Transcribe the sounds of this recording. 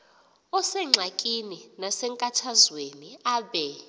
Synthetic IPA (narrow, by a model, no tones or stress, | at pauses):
ɔsɛŋ͡ǁʱakʼininasɛŋkʼatʰazweniaːɓɛ